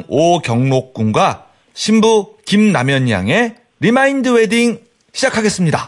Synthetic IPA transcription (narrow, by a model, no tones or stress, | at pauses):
ŋokjʌŋnok̚k͈uŋɡwa | ɕʰimbukimnamjʌɲja̰ŋe̞ | ɾimaindɯwe̞diŋ | ɕʰid͡ʑakʰaɡe̞s͈ɯmɲida